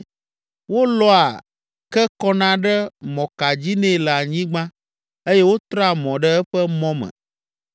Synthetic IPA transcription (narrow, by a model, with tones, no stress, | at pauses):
wo˦lɔ˦a˨ | kɛ˦kɔ˦nã˦ɖɛ˦mɔ̃˨ka˨d͡ʑi˦nɛ̃˦˨la˨ɲĩ˦ɡ͡bã˦ | e˦je˦wo˦t̪ɾa˦˨mɔ̃˨ɖɛ˦ɛ˦ɸɛ˦mɔ̃˦mɛ̰̃˨